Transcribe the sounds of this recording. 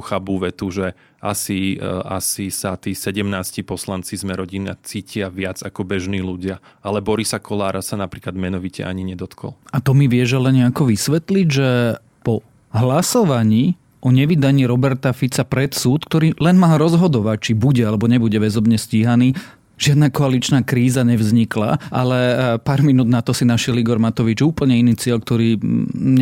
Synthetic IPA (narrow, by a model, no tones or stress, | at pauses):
xabuʋɛt̪uʒɛ | ʔasia̰sisat̪iːsɛɟɛmnaːscipɔslant͡sizmɛɾɔɟinia̰t͡siːcɪaʋɪad͡zakɔbɛʒniːluɟɪa | ʔalɛbɔɾisakʰɔlaːɾʔasanapɾiːklad̪mɛnɔʋicɛ̰ʔa̰ɲiɲɛd̪ɔt̪kʰɔ̰lat̪ɔmiʋɪɛʒɛlɛnɲɛakɔʋisʋɛt̪liɟʒɛ | pɔ | ɦlasɔʋaɲiː | ʔɔɲɛʋid̪aɲiːɾɔbɛɾt̪afit͡sapɾɛt̪suːt̪k̚t̪ɔɾiːlɛnmaːɾɔzɦɔd̪ɔʋac̚t͡ʃibuɟɛalɛbɔɲɛbuɟɛʋɛzɔbɲɛsciːɦaniː | ʒɪad̪nakɔalit͡ʃnaːkɾiːzaɲɛʋzɲikla̰ʔa̰lɛpaːɾminuːd̪nat̪ɔsinaʃɪɛliɡɔɾmat̪ɔʋid͡ʒuːpl̩ɲɛiniːt͡sɪɛʎk̚t̪ɔɾiːɲɛ